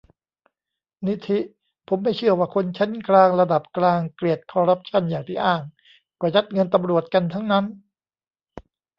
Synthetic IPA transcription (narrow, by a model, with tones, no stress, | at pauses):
ni˦˥t̪ʰi˦˥ | pʰo˩˦mːa˥˩jt͡ɕʰɯ˥˩ɐwaː˧˩kʰo˧nt͡ɕʰa˦˥nklaː˧ŋɾa˧da˨˩p̚klaː˧ŋkli˨˩ət̪̚kʰɔː˧ɾa˦˥p̚t͡ɕʰa˥˩njaː˨˩ŋt̪ʰiː˧˥˩ʔaː˥˩ŋ | kɔː˧˩t͡ɕa˦˥t̪̚ŋɤ˧nt̪a˧mɾu˨˩ət̪̚ka˧nt̪ʰa˦˥ŋna˦˥n